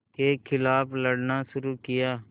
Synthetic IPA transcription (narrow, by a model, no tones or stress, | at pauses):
keːkʰɪlaːpləɽnaːsʊɾuːkɪjaː